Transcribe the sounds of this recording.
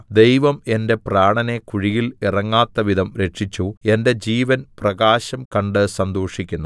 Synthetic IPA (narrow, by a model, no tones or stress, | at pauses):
d̪e̞jʋɐme̞nde̞praːɳɐne̞kuɻijilirɐŋːaːt̪ːɐʋid̪ʱɐmɾe̞ʈʂit͡ɕːue̞nde̞d͡ʑiːʋɐnprɐɣaːɕɐmkɐɳɖɨsɐnd̪oːʂikʲːunː